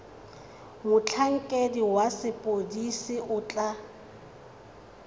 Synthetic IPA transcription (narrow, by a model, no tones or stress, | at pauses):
mʊt͡ɬʰaŋ̩kʼediwasɪpʼodisɪʔʊt͡ɬʼa